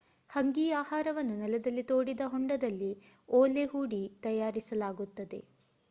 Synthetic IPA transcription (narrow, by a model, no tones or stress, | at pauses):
hɐŋɡiːaːhaːɾɐʋɐnːunɛlɐd̪ɐlːit̪o̞ːɽid̪ɐɦoɳɖɐd̪ɐlːioːleɦuːɽit̪ɐjaːɾisɐlaːɡut̪ːɐd̪e̞̰